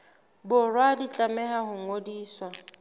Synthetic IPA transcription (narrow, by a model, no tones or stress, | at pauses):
bʊrwadit͡ɬʼamɛɦahʊŋ̩odiːswa